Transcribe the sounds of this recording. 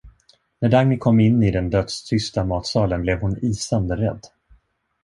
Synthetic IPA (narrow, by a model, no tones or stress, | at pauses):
næɖaŋmɪkʰɔmːɪnːɪd̪ɛnd̪œt̪st̪ʰʏst̪amɑːt̪sɑːlənblɛvhʊniːsand̪əɾɛd̪ː